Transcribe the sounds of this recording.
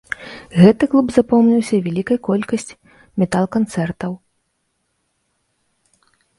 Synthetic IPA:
ɣɛt̪ɨklˠubzapɔmnʲiwsʲɐvʲɛlʲikɐjkɔlʲkɐsʲt͡sʲ | mʲɛt̪alˠkant̪sɛrt̪ɐw

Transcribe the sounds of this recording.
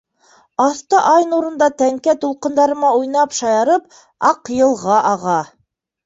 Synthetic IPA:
ɑθt̪ɤʔɑjnuɾɤ̆nd̪ɑt̪æŋkæt̪ulˠqɤ̆nd̪ɑɾɤ̆mɑujnɑpʃɑjɑɾɤp | ɑqjɤ̆lˠʁɑʔɑʁɑ

